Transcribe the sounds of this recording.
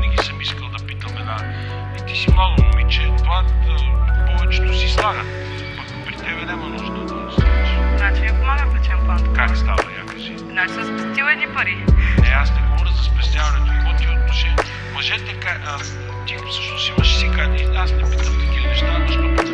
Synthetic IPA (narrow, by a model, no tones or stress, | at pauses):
nɛɡ̟isəmiskəlˠd̪ɐpit̪əmɛd̪a | it̪isimlˠaɡ̪onomit͡ʃɛt̪ova | pɔvɛt͡ʃɛt̪osist̪anə | pɐ | pɾit̪ɛbɛnɛmɐnɔʒəd̪ɐd̪ost̪anʃnat͡ʃinɛpomaɡəp̪lɛt͡ʃɛmplˠankakst̪a̰vɐ̰ja̰kəʒi | nat͡ʃisəspɛst̪ʲilɛnipɐɾinɛasnɛbɔbɾʲəzɐspɛst̪ʲavɐnɛt̪oimot̪iot̪oʃɛ | mɐʒɛt̪ɛka | t̪ifsəʃnosimɐʃɛsikad̪ɛiasnɛpit̪əmk̪ɐkilɛnɛʃt̪anɛʃt̪opɛ